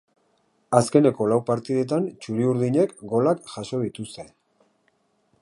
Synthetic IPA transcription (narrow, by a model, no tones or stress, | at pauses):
aske̞ne̞ko̞lawpaɾt̪iðe̞t̪̬ant͡ʃuɾiuɾðiɲe̞kɡo̞lakʝaso̞ð̞it̪ust̪e̞